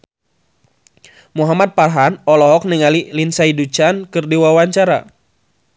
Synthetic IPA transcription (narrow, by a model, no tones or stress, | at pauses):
muɦamat̪̚parɦanɔlɔɦɔk̚niŋalilinsaidut͡ʃankɨrdiwawaɲt͡ʃaɾa̰